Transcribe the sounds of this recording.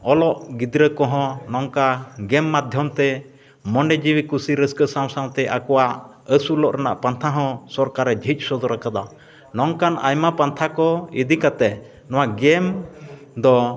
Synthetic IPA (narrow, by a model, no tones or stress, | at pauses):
ɔlɔʔɡid̪ɾəkɔ̃ɦɔ̃nɔŋkaɡɛmːad̪ʱjɔmt̪ɛ | mɔɳɖɛd͡ʒiwikusiɾəskəsaw̃saw̃t̪ɛʔakɔwaʔ | əsulɔʔɾɛna̰ʔpant̪ʰaɦɔ̃sɔɾkaɾɛd͡ʒʱic̪̚ˀsɔd̪ɔɾakad̪a | nɔŋkanʔa̰jmapant̪ʰakɔid̪ikat̪ɛ | nɔw̃aɡɛm | d̪ɔ